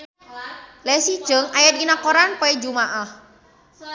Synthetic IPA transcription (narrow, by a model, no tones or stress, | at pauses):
lɛsid̥ʒ̥ə̤ŋajat̪̚inakoɾanpɔid͡ʒumaʔah